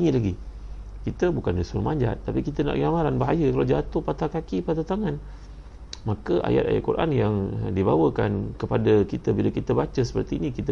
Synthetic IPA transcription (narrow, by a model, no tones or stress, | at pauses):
iŋit̪laɡi | kit̪əbukandisuɾumaɲd͡ʒa̰t̪ːapikit̪əna̰ʔkɡəamaɾanbaɦajəkalawd͡ʒat̪ohpat̪akakipat̪at̪aŋan | makəʔa̰ja̰t̪̚a̰ja̰ʔ̪̚kuɾʔa̰njaŋdibawəka̰nkəpadakit̪əbilakit̪əbat͡ʃəsə̥pərt̪iːnikit̪ə